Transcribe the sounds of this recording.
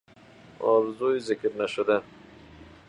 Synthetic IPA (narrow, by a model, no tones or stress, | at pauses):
ɔ̰ɾzujzɪkɾnaʃʊd̪an